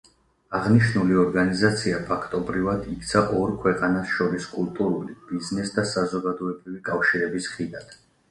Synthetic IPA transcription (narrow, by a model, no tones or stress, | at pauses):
aʁniʃnuliɔɾɡanizat̪sʰiapʰakʰt̪ʼɔbɾivad̪ikʰt̪sʰaʔɔɾkʰwɛqʼanasʃɔɾiskʼulˠt̪ʼuɾulib̥iznɛsd̪asazɔɡad̪ɔɛbɾivikʼafʃiɾɛbisχid̪ad̪̥